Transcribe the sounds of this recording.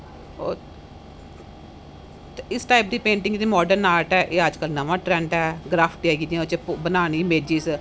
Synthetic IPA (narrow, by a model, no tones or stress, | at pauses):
o | ɪsʈaːip̚d̪iːpẽːɳʈɪ̃ŋɡd̪iːmɔːɖəɾnaːɾʈɛːʔeːəd͡ʒkəlnəʋãːʈɾɛ̃ːɳʈɛːɡɾaːpʰʈːɛːɡid͡ʒ̪ãt͡ʃbənaːñiːmeːd͡ʒiːs